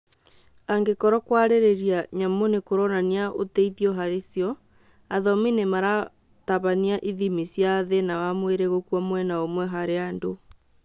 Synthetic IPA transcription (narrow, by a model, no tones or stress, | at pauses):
aŋɡekɔɾɔkwaɾeɾeɾiaɲamonekoɾɔnaniaʔoteiðiɔɦaɾesjɔ | aðɔminemaɾa | taβaniaʔiðimisjaðenawamweɾeɣokwamwɛnaomwɛɦaɾeando